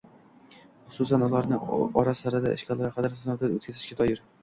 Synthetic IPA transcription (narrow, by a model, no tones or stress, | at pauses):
χʊ̥sʊsanʊlˠaɾnɪɒɾasaɾad̪aɪ̰ʃkʰʲalˠaɾaqʰɑd̪ɪɾsnɒwd̪ao̰t̪kʲazɪʃkʲat̪ʰɒjɪɾ